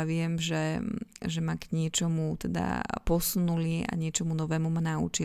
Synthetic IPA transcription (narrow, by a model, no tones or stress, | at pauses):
ʋɪɛmʒɛʒɛmaɡɲɪɛt͡ʃɔmut̪ɛd̪a̰pɔsunulia̰ɲɪɛt͡ʃɔmunɔʋɛːmumanaṵt͡ʃi